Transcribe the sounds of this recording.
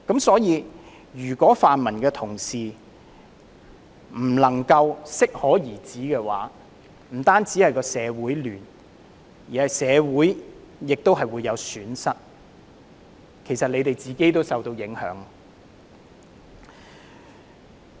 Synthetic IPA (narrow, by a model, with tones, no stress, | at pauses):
kɐ˨˥msɔː˨˥jiː˨˧ | jyː˨˩kʷɔː˨˥faː˨nmɐ˨˩nkɛː˧t̪ʰʊ˨˩ŋsiː˨˩ | m̩˨˩lɐ˨˩ŋkɐ˧wsɪ˥k̚hɔː˨˥jiː˨˩t͡siː˨˥kɛː˧wa̰ː˨˥ | m̩˨˩t̪aː˥nt͡siː˨˥hɐ˨jkɔː˧sɛː˨˧wuː˨˥jlyː˨˩n | jiː˨hɐ˨jsɛː˨˧wuː˨˥jːɪ˨k̚t̪o˥wɦɐ˨jwu˨˧jːɐ˨˧wsyː˨˥nsɐ˥t̚ | kʰe˨˩jsɐ˨t̚le˨˧jt̪e˨jt͡siː˨ke˥jt̪o˥wsɐ˨wt̪o˧wjɪ˨˥ŋhœ̰ː˨˥ŋ